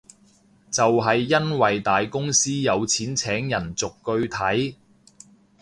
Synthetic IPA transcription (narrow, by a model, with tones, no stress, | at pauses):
t͡sɐ˨wɦɐ˨jːɐ˥nwɐ˨jt̪aː˨jkʊ˥ŋsiː˥jɐ˨˧wt͡sʰiː˨˥nt͡sʰɛː˨˥ŋjɐ˨˩nt͡sʊ˨kːɵ˧ɥt̪ʰɐ˨˥j